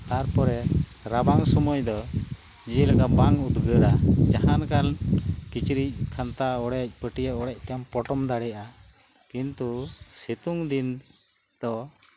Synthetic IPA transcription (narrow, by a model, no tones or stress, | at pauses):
t̪aɾpɔɾɛɾabaŋsɔmujd̪ɔ | d͡ʒilakabaŋut̪ɡəɾad͡ʒahankankit͡ʃɾic̚kʰant̪aɔɽɛc̚ˀpəʈijaʔɔɽɛc̚ˀt̪ɛampɔʈɔmd̪aɽɛjaʔa | kint̪usit̪uŋd̪in | d̪̥ɔ